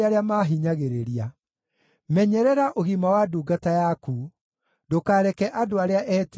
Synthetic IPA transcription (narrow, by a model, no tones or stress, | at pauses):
aɾeamaːɦiɲaɣeɾeɾia | mɛɲɛɾɛɾaʔoɣimawaduːɡatajaku | dokaːɾɛkɛʔadoaɾeaʔɛt